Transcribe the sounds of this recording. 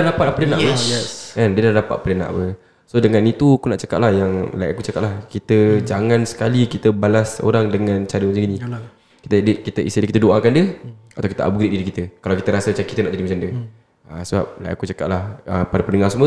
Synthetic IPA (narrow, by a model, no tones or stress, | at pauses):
ahdapat̪apələnaʔ | ɛndiədahdapat̪apələna̰ʔwə | sodəŋanit̪ukunaʔt͡ʃakat̪̚lahjaŋla̰ja̰ʔakut͡ʃakat̪ʔ̚lahkit̪əd͡ʒaŋãnsə̥kalikit̪əbalaso̰ɾaŋdəŋãnt͡ʃaɾəmat͡ʃaɡinĩ | kit̪ədəʔkit̪əʔisidəkit̪ədoʔakandiəat̪awkit̪əʔa̰bɡɾiʔ̚diɾikit̪əkalawkit̪əɾasəmat͡ʃamkit̪ənaʔd͡ʒadimat͡ʃamdiə | asəbap̚lajʔakut͡ʃaka̰ʔ̚lahəpadapənəŋarsəmũə